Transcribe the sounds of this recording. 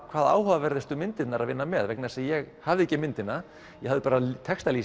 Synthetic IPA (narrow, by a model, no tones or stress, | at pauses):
kʰv̥aːða̰ːwɦavavɛɾðɪst̪ʏmɪnt̪ɪt̪naɾaðvɪnːamɛðvɛknaðɛsajɛɣhavðɪɛcːɪmɪnt̪ɪna | jɛhavðɪpaːɾat̪ʰɛkst̪aliː